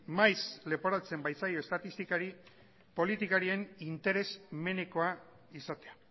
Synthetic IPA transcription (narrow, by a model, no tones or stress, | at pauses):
majsle̞po̞ɾat͡se̞mbajt͡sajoest̪at̪ist̪ikaɾi | po̞lit̪ikaɾie̞nint̪e̞ɾe̞sme̞ne̞ko̞a | isat̪e̞a